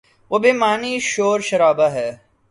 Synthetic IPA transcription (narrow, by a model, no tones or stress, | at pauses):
ʋobemaːniːʃoːɾʃɐɾaːbaɦɛː